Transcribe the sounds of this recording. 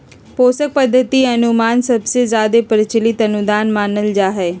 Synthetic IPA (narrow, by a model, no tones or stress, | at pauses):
poːsək̚pəd̪ʱːət̪iɐnʊmaːnsɐbsezjaːd̪epəɾɪt͡ʃəlɪt̪ɐnʊd̪aːnmaːnəld͡ʒaːɦɛː